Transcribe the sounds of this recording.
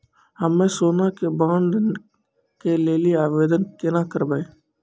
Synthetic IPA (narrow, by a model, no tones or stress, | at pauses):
həmːẽsoːnakebãːɳɖ | keleːliaːʋeːd̪ənkenakəɾbaeː